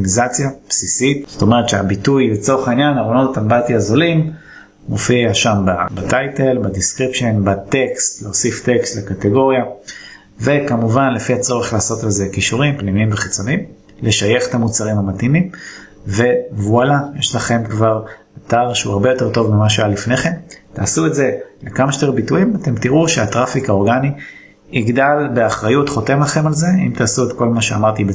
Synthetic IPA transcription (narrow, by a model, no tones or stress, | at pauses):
mizat͡sjapsisitz̥o̥t̪o̞me̞e̞t̪ʃeabitujbet͡so̞ʁeχainjanaʁonotatambat̪iazolim | mofiaʃambabat̪ajte̞lbadiskʁipʃe̞nbat̪e̞kstleosifte̞kstlekateɡo̞ʁja | ve̞kamuvanle̞fihat͡so̞ʁeχlaːso̞talze̞kiʃuʁimpnimiimveχit͡so̞nim | le̞ʃajeχetamut͡saʁimhamatimim | ve̞vualajeʃlaχe̞mkvaʁ | ataʁʃeuaʁbe̞jo̞te̞ʁto̞vmimaʃealifne̞χe̞mtaːsuetze̞lekamaʃte̞ʁbituimate̞mtiʁuʃeatʁafikao̞ʁɡani | iɡdalbe̞aχʁajutχo̞te̞mlaχe̞malze̞imtaːsuetko̞lmaʃeamaʁt̪ibe